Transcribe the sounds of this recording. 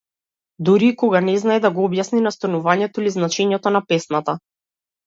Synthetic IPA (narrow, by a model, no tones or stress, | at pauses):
d̪uɾiːkɔɡanɛznaɛd̪aɡɔɔbjasninast̪ɔnuvaɲɛt̪ɔiliznat͡ʃɛɲɛt̪ɔnapɛsnat̪a